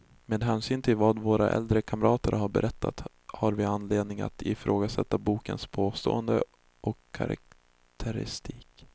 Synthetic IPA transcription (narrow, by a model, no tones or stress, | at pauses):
meːd̪ɦɛːnsyːnt̪ʰɪlvɑːd̪voːɾaʔɛ̰ld̪ɾəkʰamɾʔɑːt̪əɾhaɾbɛ̰ɾʔɛt̪ʰːat̪ | haɾvɪanːleːd̪nɪŋa̰t̪ʰɪfɾʔoːɡasɛt̪ːabuːkə̰nspʰoːst̪o̰ːənd̪ə | ʔɔkʰːa̰ɾa̰k̚ | t̪ʰəɾɪ̰st̪ʰiːk